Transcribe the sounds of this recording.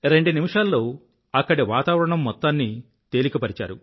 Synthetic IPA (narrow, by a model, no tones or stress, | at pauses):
ɾe̞ɳɖunimiʂaːlːo̞ː | ɐkːɐɽiʋaːt̪aːʋɐɾɐɳɐmːɔt̪ːaːnːi | t̪e̞ːlikɐpɐɾit͡ʃa̰ːɾu